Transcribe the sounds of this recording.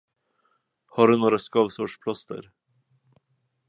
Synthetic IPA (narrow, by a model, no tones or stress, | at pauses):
hɑːɖʉnoːɾɑskɑʋsɔʂpʰlɑst̪ə̰ɾ